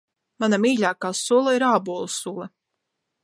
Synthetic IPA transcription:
manamiːʎʲaːkaːsulˠaiɾaːbuːlˠsulˠɐ

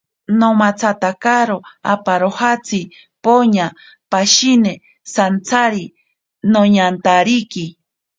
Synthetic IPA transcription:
nomat͡sʰat̪akaɾoa̰paɾohat͡sʰi | poɲa | paʃine | sant͡sʰaɾi | noɲant̪aɾiki

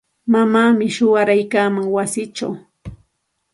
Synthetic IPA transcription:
mamaːmɪʃʊwaɾajkaːmaŋwasɪt͡ʃa̰w

